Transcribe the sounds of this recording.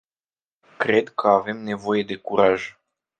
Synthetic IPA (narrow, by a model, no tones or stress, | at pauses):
kɾe̞d̪kʰəave̞mne̞vo̞je̞d̪e̞kuɾaʒ